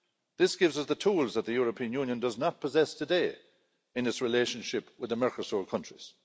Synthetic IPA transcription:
ðɪsɡ̥ɪvzʌsðətʰuːlzðət̪̚ðəjɔɹəpʰĩə̃njuːnjə̃ndʌznət̚pʰəzɛstʰədeː | ɪ̃nɪtsɹɪleʃə̃nʃɪpwɪðəmɛɹkəsɔɹkʰʌ̃nt͡ʃɹ̥iz̥

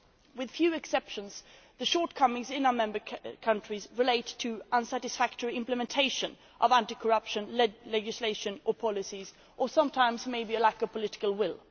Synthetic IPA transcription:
wɨð̥fjʉɨksɛpʃɨ̃nz | ðɨʃɔɹt̚kʰʌmɪ̃ŋzɪ̃naʊə˞mɛ̃mbə˞kʰʌ̃nt͡ʃɹ̥izɹɨleɪtʰːɨʔʌ̃nsæɾɨsfæk̚təɹiɪ̃mplɨmɛ̃ntʰeɪʃɨ̃n | ʔʌvæ̃ntikʰə˞ʌpʃɨ̃nlɛd͡ʒɨsleɪʃɨ̃nʔə˞pʰɑlˠɨsiz | ʔə˞sʌ̃mtʰãɪ̃mzmeɪbiɨlækəv̥pʰəlɪɾɪ̥kəl̩ˠwɪlˠ

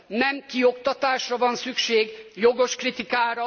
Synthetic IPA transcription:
nɛmkiokt̪ɒt̪aːʃrɒvɒnsykʃeːɡjoɡo̞ʃkrit̪ikaːɾɒ

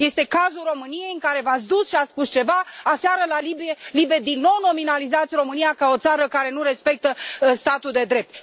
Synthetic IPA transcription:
je̞st̪e̞kazulro̞mɨnije̞jɨŋkaɾe̞vat̪sd̪usʃiat̪spust͡ʃe̞vaaseaɾəlalibielibed̪inːo̞wno̞minalizat̪sʲro̞mɨnijakao̞t̪saɾəkaɾe̞nuɾe̞spe̞k̚t̪əst̪at̪uld̪e̞d̪ɾe̞p̚t̪̚

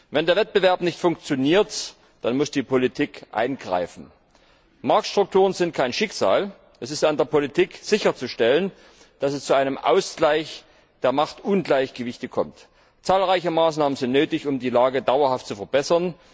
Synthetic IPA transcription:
vɛndeːɐvɛt̚b̥əvɛɐpnɪçtfʊŋk̚t͡sjoniːɐt | d̥anmʊsd̥iːpolitʰiːkʔa̰ɪnɡʁa̰ɪfn̩ | maɐk̚tʃtʁ̥ʊk̚tʰuːʁ̞ənzɪnt̚kʰaɪnʃɪksa̰ːl | ʔɛsɪstandeːɐpolitʰiːkz̥ɪçɐt͡suʃtɛlən | d̥asɛst͡suʔaɪnəmʔa̰ʊsɡ̥laɪç | d̥eːɐmaχtʔʊnɡlaɪçɡ̥əvɪçtəkʰɔmt | t͡saːlʁaɪçəmaːsnaːmənzɪntnøːtɪçʊmdiːlaːɡədaʊɐhaft̚t͡sufɛɐbɛsɐn

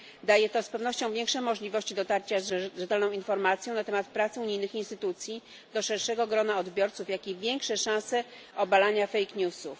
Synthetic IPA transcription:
d̪ajɛt̪ɔspɛvn̪ɔɕt͡ɕɔ̃w̃vʲjɛŋkʂɛmɔʐlʲivɔɕt͡ɕid̪ɔt̪aɾt͡ɕazʐɛt̪ɛlnɔ̃w̃infɔɾmat̪sjɔ̃nat̪ɛmat̪pɾat̪sɘuɲijnɘxinst̪ɘt̪ut̪sʲji | d̪ɔʂɛɾʂɛɡɔɡɾɔnaɔd̪bʲjɔɾt̪sufjakʲivʲjɛŋkʂɛʂãsɛ | ɔbalaɲafɛjkɲusuf

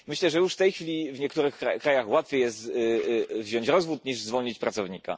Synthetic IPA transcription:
mɘɕlɛʐɛjuʂft̪ɛjxfʲilʲivɲɛkt̪uɾɘxkakɾajaxwat̪fʲejɛst̪ | vʑɔɲt͡ɕɾɔzvut̪ɲiʐzvɔlɲit͡ɕpɾat̪sɔvɲika̰

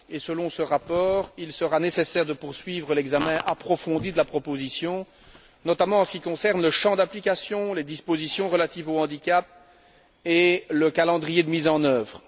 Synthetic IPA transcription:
esəlɔ̃səʁapɔːʁilsəʁanesesɛʁd̪əpuʁsɥiːvʁəlɛɡzamɛ̃ʔapχɔfɔ̃d̪id̪əlapχɔpozisjɔ̃ | nɔt̪amɑ̃ɑ̃sə̥kʲikɔ̃sɛʁnləʃɑ̃d̪aplikʲasjɔ̃led̪ispozisjɔ̃ʁəlat̪iːvoɑ̃d̪ikʲap̚ | eləkalɑ̃d̪ʁijed̪əmizɑ̃nœːvʁə

